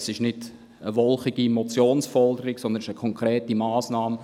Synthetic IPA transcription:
sɪʃnɪd̥ | əʋɔlχɪɡ̥imɔt͡sjoːnsfɔldəɾɪksɔnd̪ənɪʃəkʰɔŋkʰɾɛːtimaːsnɑːm

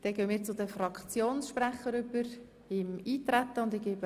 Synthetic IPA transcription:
d̥ɛɡ̥øːəmiːɾt͡sʊdəfɾɑkt͡sjoːnsʃpræχəɾʏbəɾ | ɪmiːt̪ɾæt̪ːəʊndɪɡ̥eːbə

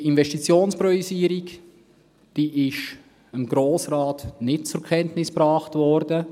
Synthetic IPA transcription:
invɛʃtit͡sjoːnspɾɔisiːəɾik | d̥iːʔɪʃ | əmɡ̥ɾoːsɾaːtnɪtt͡sʊɾkʰɛntnɪspɾɑːχtvɔɾdə

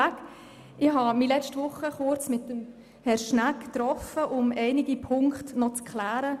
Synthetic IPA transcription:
k | ɪɦɑmilɛt͡ʃtʋʊχəχʊɾt͡smɪtːəm | hɛɾʃnækt̪ɾɔfəʔʊmɛɪnɪɡipʰʊŋkχtnɔt͡skχlæːɾə

